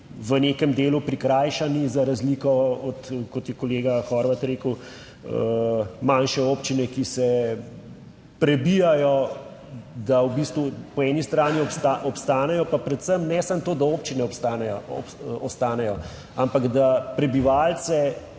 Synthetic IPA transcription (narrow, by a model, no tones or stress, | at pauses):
ʋənekɛmd̪eːlupɾikɾaːjʃanizaɾazlikɔɔt̪kɔt̪jɛkɔleːɡaxɔːɾʋat̪ɾeːkəw | manʃɛoːpt͡ʃinɛkisɛ | pɾɛbijajɔ | d̪awbist̪ʋupɔɛnist̪ɾaːniɔɔpst̪aːnɛjɔpapɾɛt̪səmnɛsamt̪oːd̪aoːpt͡ʃinɛɔst̪anɛ | ɔst̪aːnɛjɔ | ampaɡd̪apɾɛbiʋaːlt̪sɛ